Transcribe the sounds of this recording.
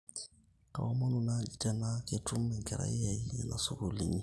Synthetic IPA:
ka̰˨wa˦ma˦nu˨na˦d͡ʒi˨ta˦na˦ke˨tu˦mːɛ˨ŋkɛ˨ɾa̰˦i˦ja˨ji˦a˨na˨so˨ko˨li˨ɲi˦˨

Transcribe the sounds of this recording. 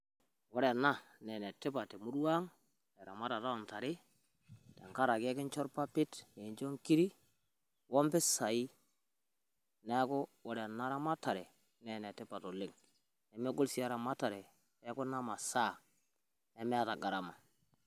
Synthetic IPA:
wo˦ɾe˨na˦ne˨ne˨ti˦pa˨ti˨mu˦dwa˦ŋ | e˨ɾa̰˨ma˦ta˨ta˦wa˨nta˨ɾi˦ | de˨ŋka˦ɾa˨ke˦ki˦nt͡ʃo˦ɾpa˦pi˦te˨nd͡ʒo˦ŋki˦ɾi˦ | wo˦mpi˦sa˨i˦ | ne˦ko˦wo˦ɾe˨na˦ɾa˦ma˦ta˨ɾe˨ | ne˨ne˨ti˦pa˨to˨li˦ŋ | e˨me˦ɡu˦lsi˦ja˦ɾa˨ma˦ta˨ɾe˨ | e˦ku˦na˦ma˨sa˦˨ | e˦me˦a˦ta˨ɡa˨ɾa˨ma˨

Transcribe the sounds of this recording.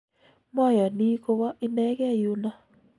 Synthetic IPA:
mɔ˦˨jɔ˨ni˦ko˧wa˦ʔɪ˦nɛ˦ɡɛ˦˨ju˦na˦

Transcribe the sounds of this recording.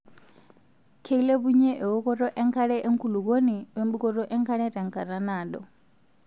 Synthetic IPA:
kʰe˦i˦lɛ˦βuɲɛ˦ʔɛ˨wɔ˦kɔ˦ɾɔ˦ʔɛ˦ŋkʰa˦ɺɛ˦ʔe˦ŋkʰulu˨k̬o˦ni˨wɛ˦mbu˦kɔ˦ɾɔ˦ʔɛ˦ŋkʰa˦ɺɛ˦ta˨ŋkʰa˨ɾa˨naː˨ɗɔ

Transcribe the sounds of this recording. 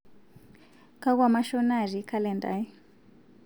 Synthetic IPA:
ka˦ɣwa˦˨ma˦ʃɔ˦na˨ʐi˨kʰa˦lɛ˨nda̰˨ji˦

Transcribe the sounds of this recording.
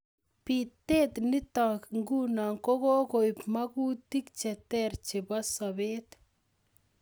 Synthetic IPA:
pit̪e˦t̪ni˦t̪a˨kŋɡu˦na˨ŋkɔ˦ko˦ko˨pma˦ku˦t̪i˦kt͡ʃɛt̪ɛɾt͡ʃe˨ba˦sa˨be˦t̪

